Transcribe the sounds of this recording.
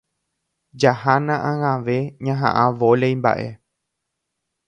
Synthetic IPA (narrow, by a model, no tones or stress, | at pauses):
d͡ʒahanãʔãŋãʋe̞ɲãɦã̰ʔãʋolejmba̰ʔe̞